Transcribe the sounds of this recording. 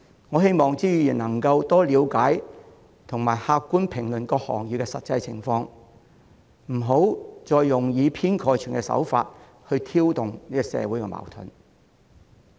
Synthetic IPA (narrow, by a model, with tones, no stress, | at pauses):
ŋɔː˨˧ɦe˥jmɔː˨ŋt͡siː˥jyː˨˧jiː˨˩nɐ˨˩ŋkɐ˧wt̪ɔː˥liː˨˧wkaː˨˥j | t̪ʰʊ˨˩ŋmaː˨˩jhaː˧kkːuː˥npʰɪ˨˩ŋlɵ˨nkɔː˧k̚hɔ̰ː˨˩ŋjyː˨˧kɛ˧sɐ˨t̚t͡sɐ˧jt͡sʰɪ̰˨˩ŋfɔː˧ŋ | m̩˨˩ɦo˨˥wt͡sɔː˨˧jːʊ˨˩ŋjiː˨˧pʰiː˥nkʰɔː˧jt͡ʃʰyː˨˩nkɛ˧sɐ̰˨˥wfa̰ː˧t̚ | hɵ˧ɥt̪ʰiː˥wt̪ʊ˨ŋniː˥kɔ˨˧sɛ̰ː˨˧wuː˨˥jkɛː˧mʔa̰ː˨˩wt̪ʰɵ̰˨˩n